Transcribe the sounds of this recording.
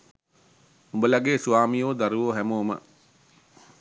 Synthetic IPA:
umbəlɐɡeːsuʋaːmijoːd̪aɾuʋoːɦæmoːmə̰

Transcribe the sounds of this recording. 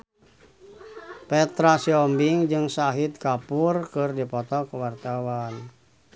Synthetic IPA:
pɛt̪ɾasiɔmbiŋd͡ʒɨŋsaɦit̪̚kapurkɨrdipɔt̪ɔkəwart̪awan

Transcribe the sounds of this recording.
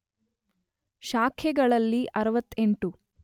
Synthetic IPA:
ʃaːkʰɛɡɐɭɐlːiʔɐɾɐʋɐt̪ːeɳʈu

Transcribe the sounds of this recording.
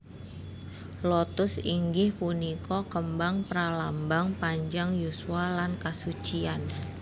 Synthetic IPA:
lɔt̪ʊsiŋɡɪhpunikɔkəmbaŋpəɾalambaŋpaɲd͡ʒaŋjusualankasut͡ʃian

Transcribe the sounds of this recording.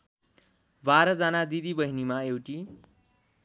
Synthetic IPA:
baɾʌd͡zanad̪id̪ibʌɦinimaewʈi

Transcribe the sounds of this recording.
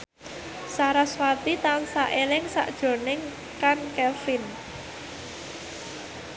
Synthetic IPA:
saɾaswat̪it̪ansaʔelɪŋsa̰ʔd̥ʒ̥o̤nɪŋ | kankɛfɪn

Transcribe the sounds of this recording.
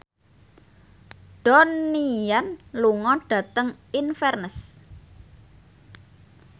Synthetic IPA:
ɖ̥ɔnijanluŋɔɖ̥ä̤t̪əŋinfɛrnəs

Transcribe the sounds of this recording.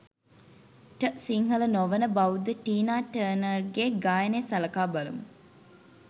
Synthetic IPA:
ʈəsiŋɦələnoʋənəbɐud̪əʈiːnaːʈəːnərɡeːɡaːjənesɐlɐkaːbɐlṵmṵ

